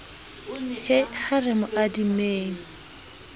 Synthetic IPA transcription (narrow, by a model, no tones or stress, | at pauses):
hɪharɪmʊʔadimeːŋ̩